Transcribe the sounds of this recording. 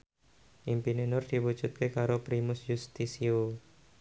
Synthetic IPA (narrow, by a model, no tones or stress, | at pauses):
ʔimpinenʊrd̪̥iwud̥ʒ̥ut̪̚kekaɾopɾimʊsjust̪isio